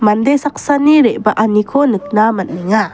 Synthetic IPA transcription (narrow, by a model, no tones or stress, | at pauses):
mandesaksaniɾeʔbaʔanikʰonək̚namanmiŋa